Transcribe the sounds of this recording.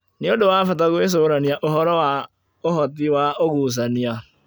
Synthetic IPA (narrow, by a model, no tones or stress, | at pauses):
nɪodowaːfat̬aɣwes̬oːɾaniaʔoɦɔɾɔwa | oɦɔtɪwaoɣuːs̬ania